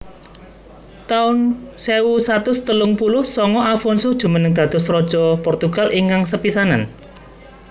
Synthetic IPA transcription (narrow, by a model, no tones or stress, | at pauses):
t̪aʊnseusat̪ʊst̪əlʊŋpulʊhsɔŋɔʔafɔnsʊd̥ʒ̥ṳmənəŋd̪̥ä̤d̪̥ɔ̤srɔd̥ʒ̥ɔ̤pɔrt̪uɡ̥alʔiŋkaŋsəpisanan